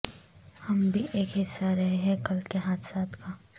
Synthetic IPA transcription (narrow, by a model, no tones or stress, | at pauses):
hɐmbʱiʔeːkɦɪsːaɾɐɦeɦɛ̃kɐlkeɦaːt̪ʰsaːt̪ka